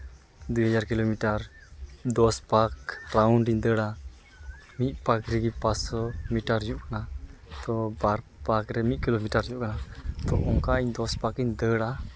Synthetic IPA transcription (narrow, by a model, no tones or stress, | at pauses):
d̪uhəd͡ʒaɾkilomiʈaɾd̪ɔspakɾawɳɖiɲd̪əɽa | mit̪̚ˀpakɾɛɡipasɔmiʈaɾd͡ʒuʔkanat̪ɔbaɾpakɾɛmit̪̚ˀkilomiʈaɾd͡ʒuʔkanat̪ɔʔɔŋkaiɲd̪ɔspakiɲd̪əɽa